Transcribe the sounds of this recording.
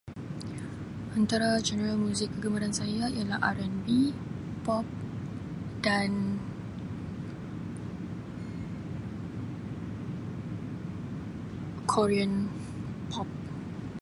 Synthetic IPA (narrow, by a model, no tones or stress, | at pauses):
ʔant̪aɾad͡ʒɛnəɾalmũzɪkːəɡəmaɾansajaijalaha̰ɾɛnbipɔp̚ | dan | kʰɔɾiən | pʰɔp̚